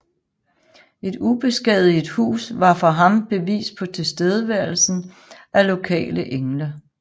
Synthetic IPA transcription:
e̝d̥ub̥e̝sɡ̥ɛð̩ˠid̥hṵːsʋɑ̈fɒ̈ɦɑ̈mb̥e̝ʋḭːsd̥̚pʰɒ̽t͡sʰe̝sd̥eð̞ˠəʋæɐ̰l̩sn̩ | ʔælo̝kʰɛ̰ːləʔeŋlɐ

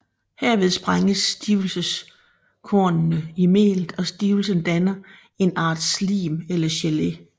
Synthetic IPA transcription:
heɐ̰ʋe̝ð̞ˠsb̥ʁaŋəsd̥iʊl̩səs | kʰoɐnnəimḛːld̥ɒ̽sd̥iːʊl̩sənd̥ænɐ | e̝nɑ̰̈ːd̥slḭːmelɐɕele

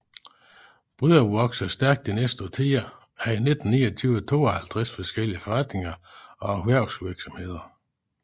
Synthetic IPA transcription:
b̥ʁyðˠɐʋɒɡ̥sæsd̥æɐɡ̥̚d̥inesd̥ət͡sʰiːɐ | æɐine̝d̥n̩nḭːɒt͡sʰyːʊət͡sʰo̝̰ːɒhælt͡sʰʁasfɒsɡ̥el̰iəfɒʁäd̥ne̝ŋɐɒ̽æʋæɐʊ̰sʋiɐɡ̥sɒ̽mhe̝ð̞̰ˠɐ

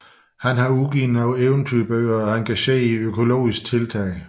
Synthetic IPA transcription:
hænɦɑ̈uɡ̥ḭːn̩æʊeʊnt͡sʰyb̥øːɐɒæŋɡʰæɕe̝̰ːiøkʰo̝lo̝̰ːisɡ̥̚t͡sʰe̝lt͡sʰɛ̰ːɪ

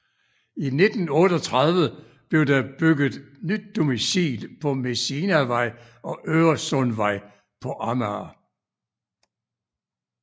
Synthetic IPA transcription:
ine̝d̥n̩ɔ̽ːd̥ɒt͡sʰʁɑðˠʋə | b̥le̝ʊd̥ɑb̥yɡ̥ð̩ˠnyd̥̚ːo̝misḭːlpʰɒ̽me̝sinæʋɑ̈ɪ̰ | ɒ̽ʔøːɐsɔnʋɑ̈ɪ̰ | pʰɒ̽ʔɑmæ

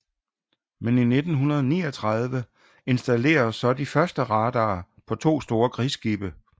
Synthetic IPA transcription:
menine̝d̥n̩ɦunɐð̞ˠnḭːɒt͡sʰʁɑð̞ˠʋə | e̝nsd̥æle̝̰ːɐsɒ̽d̥ifɶɐsd̥əʁɑ̈ːd̥ɑː | pʰɒ̽t͡sʰo̝̰ːsd̥o̝ːɐkʰʁisɡ̥ib̥ə

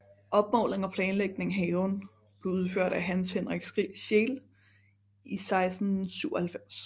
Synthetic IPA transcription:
ʔɒ̽b̥̚mɒ̰ːlʁeŋɒ̽pʰlɛːnleɡ̥̚ne̝ŋɦɛːʊn | b̥le̝ʊuð̞ˠføɐ̰d̥æɦænshenʁɛɡ̥sɡ̥ʁḭːɕe̝ːl | isɑ̈ɪsd̥n̩syʊɒhælfem̰s

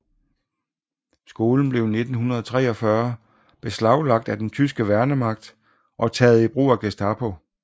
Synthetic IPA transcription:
sɡ̥o̝ːln̩b̥le̝ʊne̝d̥n̩hunɐð̞ˠɒ̽t͡sʰʁɛ̰ːɒ̽fɶɐ | b̥e̝slɑ̈ʊlɑ̈ɡ̥̚d̥æd̥ent͡sʰysɡ̥əʋæɐnəmɑ̈ɡ̥̚d̥ | ʔɒ̽t͡sʰɛ̰ːð̩ˠib̥ʁo̰ːæɡ̥esd̥ɑ̈pʰo

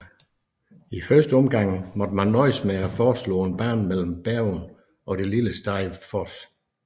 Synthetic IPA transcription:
ifɶɐsd̥əɒ̽mɡ̥ɑ̈ŋ̰̩mɒ̽d̥əmænːɒɪsmeɐfɒːslɔ̰ːenb̥æːnmel̰m̩b̥æɐʊn | ʔɒ̽ɾe̝liləsd̥ɑ̈ɪʋfɒs

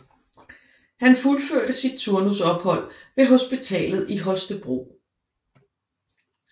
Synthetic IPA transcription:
hænfulføɐ̰ɾ̥əsid̥̚t͡sʰuɐnusɒ̽b̥hɒ̽l̰ʋe̝ɦo̝sb̥it͡sʰɛ̰ːlð̩ˠiɦɒ̽sd̥əb̥ʁo̝̰ː

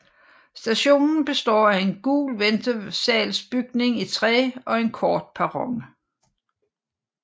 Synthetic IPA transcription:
sd̥æɕo̝̰ːnn̩b̥e̝sd̥ɒ̰ːæe̝nɡ̥ṵːlʋend̥əsɛ̰ːlsb̥yɡ̥ne̝ŋit͡sʰʁɛ̰ːɒ̽e̝nkʰɒːd̥̚pʰɑʁɒ̽ŋ

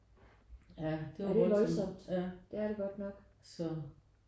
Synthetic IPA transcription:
jæd̥eæɐd̥eʋɒ̽lsɒ̽m̰d̥æd̥e̝æɐɾe̝ɡ̥ɒ̽d̥nɒ̽ɡ̥ | sɒ

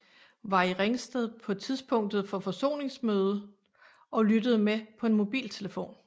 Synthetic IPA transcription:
ʋɑ̈iʁeŋsd̥eðˠpʰɒ̽t͡sʰiðˠsb̥ʰɔ̽ŋ̰d̥ð̩ˠfɒ̽fɒ̽so̝̰ːne̝ŋsmøːð̞ˠə | ɒ̽lyd̥əð̞̩ˠmepʰɒ̽e̝nmo̝b̥ḭːlt͡sʰe̝ləfo̝̰ːn

